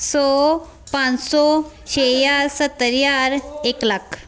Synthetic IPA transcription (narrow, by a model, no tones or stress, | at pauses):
sɔ | pãnsɔ | ɕejaɾsət̪ːəɾjaɾeklak